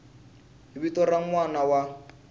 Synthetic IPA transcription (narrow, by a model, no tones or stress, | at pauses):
ibitɔɾaŋ̩wanawa